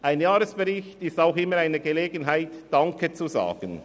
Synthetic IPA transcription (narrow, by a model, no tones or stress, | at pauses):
ʔaɪnjaːɾəsb̥eʁɪçtɪstaʊxɪmːəɾaɪnəɡeleːɡənɦaɪtd̥ɑŋkʰət͡suza̰ːɡ̥ən